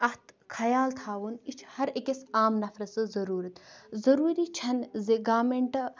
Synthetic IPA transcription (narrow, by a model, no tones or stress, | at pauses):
ɐht̪kʰɐjaːlt̪ʰaːʋunit͡ʃʰhɐɾekesaːmnɐfʰɾɐsɨzɐɾuːɾɐt̪zɐɾuːɾiːt͡ʃʰɐnzeɡaːmeɳʈ